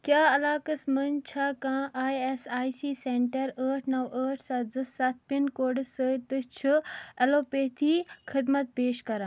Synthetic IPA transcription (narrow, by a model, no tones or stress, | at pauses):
kjaːɐlaːkɐsmənt͡ʃʰakãːʔaːjesaːjsiːseɳʈɐɾəːʈʰnɐwəːʈʰsad͡zɨsɐt̪̚ʰpinkoɖsət̪ɨt͡ʃʰɨɛloːpeːt̪ʰiːkʰɪd̪mɐt̪̚peːʃkɐɾãː